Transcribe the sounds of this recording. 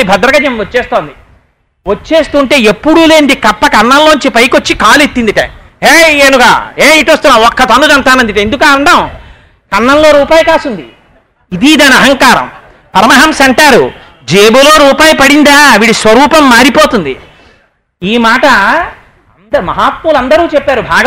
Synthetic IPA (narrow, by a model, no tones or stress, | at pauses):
ibʱɐd̪ɾɐɡɐd͡ʒɐmot͡ʃːeːst̪oːnd̪i | ʋot͡ʃːe̞ːst̪uːɳʈe̞ːepːuɽuːle̞ːnd̪ikɐpːɐkɐɳːɐlloːɲt͡ʃipɐjkot͡ʃːikaːlet̪ːind̪iʈɐ̰ | eːeːnuɡa̰ːeːiʈiʋɐst̪unːaːɔkːɐt̪ɐnːud͡ʒɐɳt̪aːnɐnd̪iʈɐend̪ukaːɐɳɖɐm | kɐnːɐnlo̞ːɾuːpaːjɐkaːsund̪i | id̪iːd̪ɐnɐɦɐŋkaːɾɐ̰m | pɐɾɐmɐɦɐmsɐɳʈaːɾu | d͡ʒeːbulo̞ːɾuːpaːjɐpɐɽind̪aːʋiːɽisʋɐɾuːpɐmːaːɾipo̞ːt̪und̪ḭ | iːmaːʈɐ | nd̪ɐmɐɦaːt̪̚mulɐnd̪ɐɾuːt͡ʃepːaːɾubʱaːɡ